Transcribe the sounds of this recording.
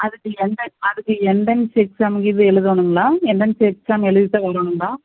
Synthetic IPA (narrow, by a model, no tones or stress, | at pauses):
ɐðɯkːɯɛɳɖɐnɐðɯkːɯɛɳɖɐnsɪksamɡiðɯɛɻɯðʋɐnɯŋɡɐɭaːɛɳɖɐnsɪksaːmɛɻɯðɪt̪ːɐkɐɾɐːnɯŋɡɐɭaː